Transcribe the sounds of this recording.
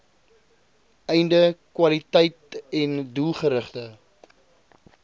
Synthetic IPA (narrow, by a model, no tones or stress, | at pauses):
ɛjndəkwɐlitɛjtɛndulˠχəɾəχtə